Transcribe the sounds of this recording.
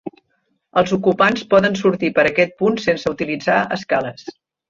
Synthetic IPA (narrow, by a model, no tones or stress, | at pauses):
əlˠzukupanspɔðənsuɾt̪ipəɾəkɛt̪̚punsensəut̪ilid͡zaəskaləs